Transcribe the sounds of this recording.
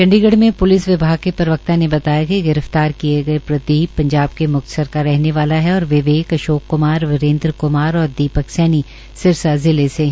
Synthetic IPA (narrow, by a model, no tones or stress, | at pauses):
t͡ʃɐ̃ɳɖiɡəɽmẽpʊlɪsʋɪbʱaːɡ̚kepɐɾʋək̚t̪anebɐt̪aːjakiɡɪɾəft̪aːɾkieɡɐepɾɐd̪iːbpɐ̃ɲd͡ʒaːb̚kemʊk̚t̪ə̥səɾkaɾɛɦneʋaːlaɦɛɔːɾʋɪʋeːkɐʃoːkːʊmaːɾʋɪɾẽːnd̪ɾkʊmaːɾɔːɾd̪iːpəksɛːni | sɪɾsazɪlese